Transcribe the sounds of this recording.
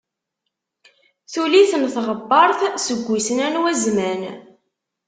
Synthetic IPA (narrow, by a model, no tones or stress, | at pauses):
θuliθnθʁəbːɑɾˤθsəɡʷːisənænwæzmæn